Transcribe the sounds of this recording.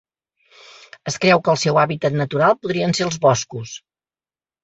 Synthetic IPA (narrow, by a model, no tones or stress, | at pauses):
əskɾɛwkəːlˠsɛwaβit̪ət̪nət̪uɾalˠpuðɾiənseəlˠzβɔskus